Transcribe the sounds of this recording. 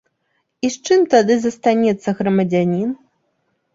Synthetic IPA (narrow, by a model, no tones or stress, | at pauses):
ist͡ʂɨmt̪ad̪ɨzɐst̪anʲɛt̪sːɐɣɾɐmɐd͡zʲanʲin